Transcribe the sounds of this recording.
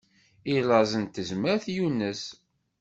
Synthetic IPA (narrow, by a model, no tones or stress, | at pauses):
ilɑzˤənt̪ːəzməɾθjunːəs